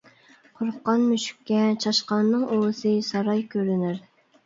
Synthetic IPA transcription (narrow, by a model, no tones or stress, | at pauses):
qʰʊɾqːɑnmyʃy̥kʲːɛt͡ʃʰɑʃqɑnːɨŋolsɨsɑɾɑjkʲʰøɾynɪɾ